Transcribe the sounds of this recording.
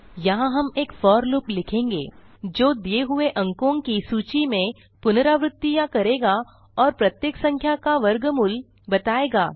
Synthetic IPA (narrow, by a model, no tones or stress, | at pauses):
jɐɦãɦɐmeːkfɔːɾloːplɪkʰẽːŋɡḛːd͡ʒoːd̪ijeɦʊeʔɐ̃ŋkõːŋkisuːt͡ʃimẽ | pʊnɾaʋɾɪt̪ːijãkɐɾeːɡa | ɔːɾpɾɐt̪jeːksɐ̃ŋkʰjakaʋɐɾɡmʊl | bɐt̪aːeːɡaː